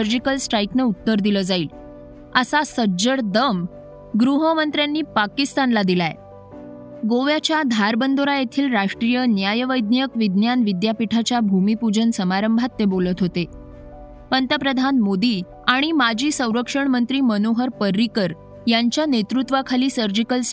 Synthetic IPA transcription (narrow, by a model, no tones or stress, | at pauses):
əɾd͡ʑikəlsʈɾaiknəut̪ːəɾd̪iləd͡zaiːl | əsasəd͡ʑəɽd̪əm | ɡɾuɦəmənt̪ɾjanːiːpakist̪anlad̪ilaḛ | ɡoʋjat͡ɕjad̪ʱaɾbənd̪ʱoɾajet̪ʰiːlɾaʂʈɾijənjajəʋəjd̪nijəkʋid̪njanʋid̪japiʈʰat͡ɕjabʱumipud͡ʑənsəmaɾəmbʱat̪ːebolət̪ɦot̪e | pənt̪əpɾəd̪ʱanmod̪iː | aɽ̃imad͡ʑiːsə̃w̃ɾəkʂəɳmənt̪ɾiːmənoɦəɾpəɾːikəɾ | jaɲt͡ɕjanet̪ɾut̪ʋakʰaliːsəɾd͡ʑikəls